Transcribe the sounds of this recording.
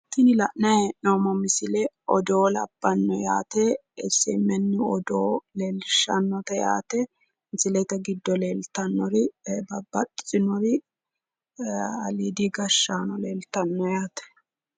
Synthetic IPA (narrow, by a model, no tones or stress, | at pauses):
t̪ːɪnɪlɐʔnɐhɛʔnoːmɔmɪsɪlɛɔd̪oːlɐ̰b̥ːɐnːɔja̰ːt̪ɛ | ɛsːɛ̰mːɛnːɪɔd̪oːleːlʃɐnːɔt̪ɛja̰ːt̪ɛ | mɪsɪlɛt̪ɐɡɪd̪ːɔleːlt̪ɐnːɔɾɪbɐbɐtʼɪt͡sʼɪnɔɾɪ | ɐ̰lid̪iɡɐʃːaːnɔleːlt̪ɐnːɔjaːt̪ɛ̥